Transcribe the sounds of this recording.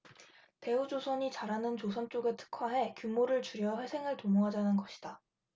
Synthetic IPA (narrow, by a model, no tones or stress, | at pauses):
te̞ud͡ʑosʰʌɲit͡ɕaɾanɯnt͡ɕos̬ʰʌnt͡ɕ͈oɡetʰɯ̥kʰwaɦe̞kjumoɾɯɭt͡ɕuɾjʌɸwe̞sʰe̞ŋɯɭtomoɦad͡ʑanɯnɡʌɕʰi̥d̥a